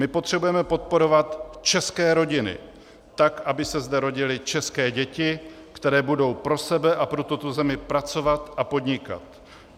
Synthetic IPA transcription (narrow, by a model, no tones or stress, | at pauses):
mɪpo̞t̪r̥ɛbujɛmɛpo̞t̪̚po̞ɾo̞vat̪t͡ʃɛskɛːɾo̞ɟɪnɪ̰ | t̪akʔabɪsɛzdɛɾo̞ɟɪlɪt͡ʃɛskɛːɟɛcɪ | kt̪ɛɾɛːbudo̞wpɾo̞sɛbɛʔapɾot̪ot̪ozɛmɪpɾat͡so̞vat̪ʔapo̞d̪ɲɪka̰t̪